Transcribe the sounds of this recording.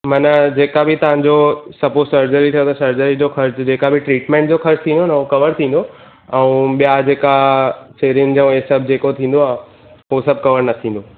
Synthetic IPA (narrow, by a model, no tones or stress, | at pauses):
mɐnəd͡ʑeːkabʱɪt̪ɐʋ̤ãɲd͡ʑosɐposɐɾd͡ʑəɾit̪ʰijot̪ɐsɐɾd͡ʑəɾid͡ʑoxɐɾd͡ʑd͡ʑeːkabʱɪʈɾiːʈmẽːɳʈ̚d͡ʑoxɐɾd͡ʑt̪ʰĩːnd̪onɐokɐʋəɾt̪ʰĩːn̆d̪o | ɛ̃ũɓijad͡ʑeːkat͡ɕeːɾijʊnɪ̆d͡ʑɐũesɐbʱd͡ʑeːkot̪ʰĩːn̆d̪oaːɦ | ɦosɐb̚kɐʋəɾnɐt̪ʰĩːn̆d̪o